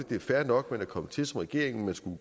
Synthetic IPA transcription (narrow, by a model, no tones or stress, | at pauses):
əd̥e̝æfæɐnɒ̽ɡ̥menækʰɒ̽mət͡sʰe̝lsɒ̽mʁɛɡ̥e̝ɐ̰e̝ŋn̩mænsɡ̥u